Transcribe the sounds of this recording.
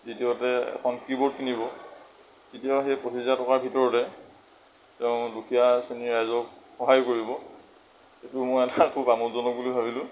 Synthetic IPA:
zitiɔtɛɛ̰kʰɔnkibɔt̚kinibɔ | titiɔxejposʰizatɔkaɹbʱitɔɹɔtɛ | tɛʊ̃lukʰijaseniɹajzɔk̚xɔɦajkoɹibɔ | etumojɛtakʰubamutzɔnɔbulujbʱabilʊ̃

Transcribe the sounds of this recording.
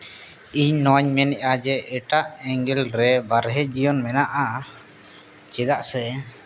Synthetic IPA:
iɲnɔɲmɛnɛʔad͡ʒɛɛʈaʔɛŋɡɛlɾɛbaɾɦɛd͡ʒijɔnmɛnaʔa | t͡ʃɛd̪aʔsɛ

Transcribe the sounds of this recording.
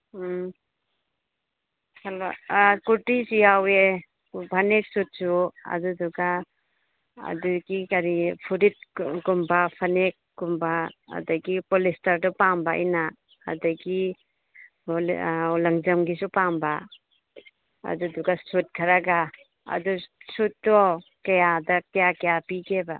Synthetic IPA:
sala̰kuɾtisujawe | bʰanek̚sut̚suɐ̰duduɡa | duɡikaɾipʰuɾit̚kumbapʰanek̚ɡumba̰ːdaɡipolistɐɾdɔpaŋbaʔḭna̰ː | daɡi | ulɐŋd͡ʒɐmɡisupamba | ɐ̰duduɡasut̚kʰaɾaɡa | ɐ̰dusutːɔkɐjadɐkɐjakajapiɡeba

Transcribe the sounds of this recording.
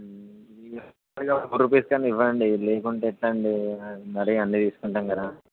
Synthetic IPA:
i | aːɽikɐkuɾupeːskaːniʋːɐɳɖileːkuɳʈeːiʈlɐɳɖinɐɾɐjɐnːit̪iːsu̥kuɳʈaːmkɐd̪aː

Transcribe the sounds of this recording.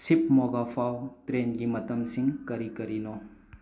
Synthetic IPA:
sipmɔɡapʰawt̪ɾenɡimɐt̪əmsiŋkɐɾikɐɾino

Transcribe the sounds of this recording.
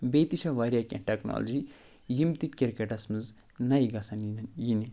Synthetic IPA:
beːt̪iʃɐʋɐɾʲjakʲɐ̰̃ʈɐkno̰ːlɐd͡ʒi | jimt̪ikiɾkeʈɐsmɨz | nɐiɡɐsɐnjinɐnjine

